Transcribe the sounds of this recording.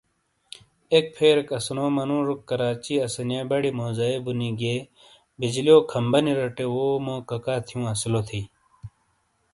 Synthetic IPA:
ek̚pʰeːɾekɐsnoːmɐnũːɾukːɐɾaːt͡ɕiːɐsɐnjaːbɐɽimoːzaːebuniɡeː | bid͡ʑlioːkʰɐmbɐniɾɐʈewoːmõːkɐkaːt̪ʰijũːɐslot̪ʰiː

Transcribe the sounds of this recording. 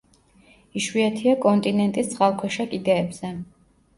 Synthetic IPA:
iʃwiat̪ʰiakʼɔnt̪ʼinɛnt̪ʼist̪sʰʼχalˠkʰwɛʃakʼid̪ɛːbz̥ɛ

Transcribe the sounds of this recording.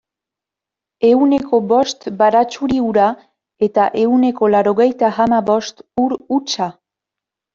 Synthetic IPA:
e̞une̞kʰo̞bo̞st̪baɾat͡ʃuɾiuɾa | e̞t̪aʔe̞une̞ko̞laɾoɣejt̪aamaβo̞st̪uɾut͡ʃa

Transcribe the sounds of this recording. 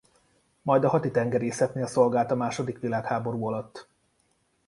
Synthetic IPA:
mɒjd̪ɒɦɒt̪it̪ɛŋɡɛɾeːsɛt̪neːɒso̞lɡaːlt̪ɒmaːʃo̞d̪ikʋilaːkhaːbo̞ɾuːɒlɒt̪ː

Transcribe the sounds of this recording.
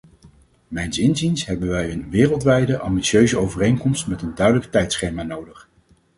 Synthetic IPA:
mɛjnsɪnzinsɦɛbənʋɛjənʋɪːrəlˠtʋɛjdəʔɑmbitsjøɥzəowvərejnkɔmstmɛtəndœɥdələktɛjtsχejmaːnowdəχ

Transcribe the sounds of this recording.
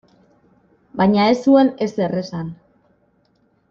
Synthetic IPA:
bajɲaesuene̞seresan

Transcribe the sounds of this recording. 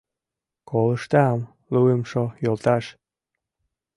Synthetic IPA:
kolə̆ʃt̪am | luemʃojolt̪ɑʃ

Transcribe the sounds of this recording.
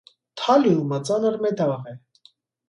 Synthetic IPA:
t̪ʰɑliumat͡sɑnəɾmɛd̪ɑvɑʁɛ

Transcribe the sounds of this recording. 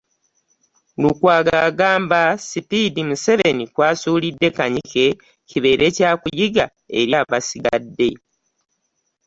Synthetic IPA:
lukwaːɡaɡaːmbasipidimuse̞βe̞nikwaːsuːlidːe̞kaɲike̞ | ciβe̞ːɾʔe̞ːcaːkujiɡa | e̞ɾjaːβasiɡa̰dːe̞

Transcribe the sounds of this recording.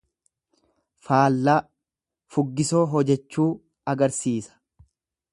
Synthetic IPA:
faːlːaː | fʊɡːɪso̞ːɦɔd͡ʒɛt͡ʃːuː | ɐɡɐɾsiːsɐ̥

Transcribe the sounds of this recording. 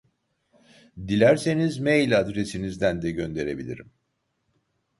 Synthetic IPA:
d̪ilʲæɾse̞nizmejlʲad̪ɾe̞sinizd̪ænd̪ɛɟø̞nd̪e̞ɾe̞bḭlʲḭɾim

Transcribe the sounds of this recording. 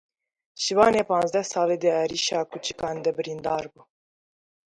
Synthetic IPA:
ʃivɑːneːpɑ̃ːnzd̪ɛhsɑːleːd̪eæɾiːʃɑːkut͡ʃi̥kɑːnd̪ɛbɨɾind̪ɑːɾbuː

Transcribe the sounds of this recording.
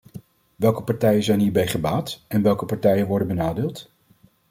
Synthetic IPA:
ʋɛlˠkəpɑɹtɛjəzɛjnɦiːɹbɛjχəbaːtɛnʋɛlˠkəpɑɹtɛjənʋɔɹdənbənaːdɪːlˠt

